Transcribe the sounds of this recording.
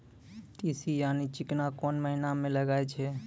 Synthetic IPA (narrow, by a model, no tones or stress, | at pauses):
ʈisijaːnit͡ʃɪknakɔːnməɦinamẽləɡaːet͡ʃʰɛ